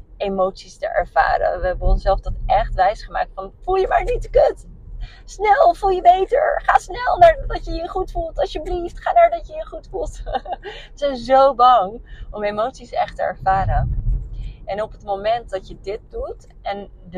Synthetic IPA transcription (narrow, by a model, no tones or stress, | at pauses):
ejmowtsistə̰ʔɛ̰ɹv̥a̰ːɾə̰ʋəɦɛbənɔnsɛlˠvdɑtʔɛχtʋɛjsχəma̰ːk̚tfɑnfulˠjəmaːɹnitkøt | snɛlˠvulˠjəbejtə̰ɹχaːsnɛlˠnaːɹdɑtjəjəχutfulˠtɑsjəbliftχaːnaːɹdɑtjəjəχutfulˠt | zɛjnzowbɑŋɔmejmowtsisɛχtəɛ̰ɹv̥aːɾən | ʔɛnɔpətmowmɛnt̚dɑtjədɪt̚dut | ɛn